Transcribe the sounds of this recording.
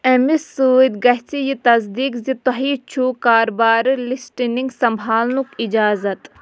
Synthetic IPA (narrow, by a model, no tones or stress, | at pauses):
ɐmisuːid̪ɡɐɦt͡sijit̪ɐsd̪iːkzit̪oɦiːt͡ʃʰukaːɾbaːɾlisʈiniŋɡsɐmbʱaːlnukid͡ʒaːzɐt̪